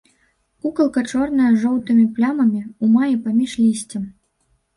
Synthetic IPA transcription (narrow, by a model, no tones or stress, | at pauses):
ukɐlˠkɐt͡ʂɔrnɐjɐʐɔwt̪ɨmʲiplʲamɐmʲiumajipamʲiʂlʲisʲt͡sʲɛm